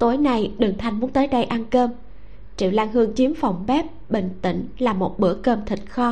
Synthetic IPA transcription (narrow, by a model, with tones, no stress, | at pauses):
t̪o˨˦jna˨˩jɗɨ˨˩ŋt̪ʰa˨˩jŋ̟mu˨˦ənt̪əː˨˦jɗə˧jʔa˧nkəː˧m | t͡ɕḭ˧˨wlaː˧ŋhɨ˧əŋt͡ɕi˨˦əmfɔ˨˩wŋ͡mɓɛ˦˥p̚ɓḭ˧˨ŋ̟t̪ḭ̈˧˨ŋ̟laː˨˩mo˨˩t̚ɓɨ˧˩əkəː˧mt̪ʰï˨˩k̟̚xɔ˧